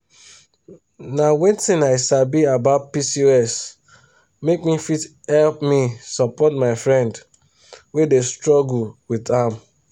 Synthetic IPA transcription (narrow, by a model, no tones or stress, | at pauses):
nawɛ̃ntĩnaɪsabiabaʊtpisiɛs | mek̚mifithɛlpmisɔpɔtmaɪfɹɛ̃nd | wedestɹɔɡuwidam